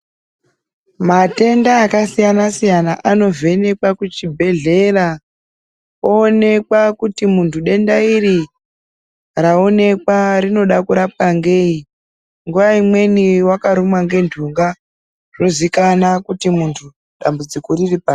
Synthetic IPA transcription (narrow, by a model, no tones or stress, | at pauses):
mate̞ndaːkasijanasijanaʔano̞ve̞ne̞kwakut͡ʃibʱe̞ɮe̞ra | oːne̞kwakutimuntʰuɗe̞ndairi | raone̞kwarino̞ɗakuɾap̚kaŋɡe̞ːi | ŋɡuʋaimwe̞niwakaɾumwaŋɡe̞ndʱuŋɡa | ʐ̥o̞zikanakutimuntʰu | ɗambud͡zikoriripaː